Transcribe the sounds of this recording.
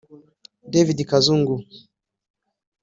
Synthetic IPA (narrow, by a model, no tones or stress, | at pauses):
dɛvidikazuŋɡu